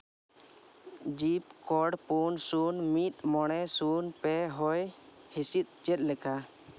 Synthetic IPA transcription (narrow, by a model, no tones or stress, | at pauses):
d͡ʒip̚kɔɽpunsunmit̪̚mɔɽ̃ɛsunpɛɦɔjhisit̪̚ˀt͡ʃɛt̪̚ˀlɛka